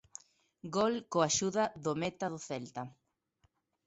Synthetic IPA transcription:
ɡolkoaʃuðaðomet̪aðoθelt̪a

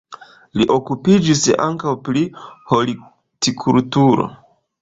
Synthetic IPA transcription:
liʔo̞kupid͡ʒisa̰ŋkawpɾiho̞li | tikʰultuɾo̞̰

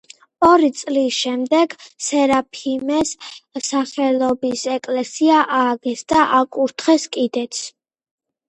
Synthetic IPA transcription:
ɔɾit̪sʼlisʃɛmd̪ɛɡ̥sɛɾapʰimɛssaχɛlˠɔbisɛkʼlɛsiaʔaːɡɛsd̪aʔakʼuɾt̪ʰχɛskʼid̪ɛt̪sʰ

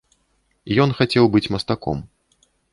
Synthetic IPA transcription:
ijɔnxat͡sʲɛwbɨt͡sʲmɐst̪akɔ̰m

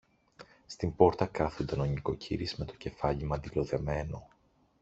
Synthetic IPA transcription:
st̪imbo̞ɾt̪ɐkɐθond̪ɐno̞ɲiko̞cḭɾizme̞t̪o̞̥ce̞fɐʎimɐnd̪ilo̞ðe̞me̞no̞

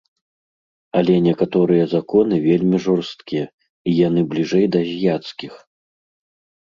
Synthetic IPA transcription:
ɐlʲɛnʲɛkat̪ɔɾɨjɐzakɔn̪ɨvʲelʲmʲiʐɔrst̪kʲijɛ | ijanɨblʲiʐɛjd̪ɐzʲjat̪skʲix

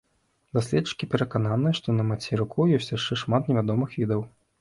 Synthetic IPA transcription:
d̪asʲlʲɛt͡ʂːɨ̥kʲipʲɛɾɐkananɨjɐʂt̪ɔnɐmat͡sʲɛɾukʰuwjɔsʲt͡sʲjaʂɛʂmat̪nʲɛvʲad̪ɔmɨxvʲid̪ɐw

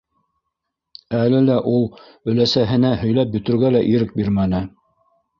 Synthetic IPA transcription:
ælɘlæʔulˠ | ɵ̆læsæɦɘ̆næhɵ̆jlæp̚bɵ̆t̪ɵ̆ɾɡælæʔiɾɘk̚biɾmænɘ

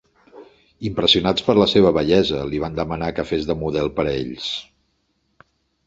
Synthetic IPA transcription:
impɾəsiunat͡spəɾləseβ̞əβəʎɛzəliβand̪əmənakəfezðəmuðɛlˠpəɾḛʎs

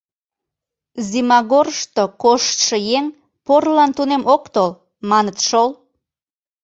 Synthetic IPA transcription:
zimɑɣorʃt̪okoʃt̪ʃɤjeŋ | porlɑnt̪unemʔokt̪ol | mɑnət̪ʃol

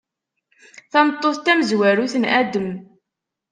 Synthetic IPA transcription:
θɑmt̪ˤːoθt̪æməzwæɾuθənʔæd̪əm

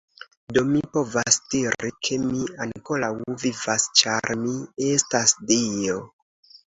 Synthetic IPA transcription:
do̞mipo̞vasdiɾikʰe̞miaŋko̞lawvivast͡ʃaɾmie̞stasdio̞

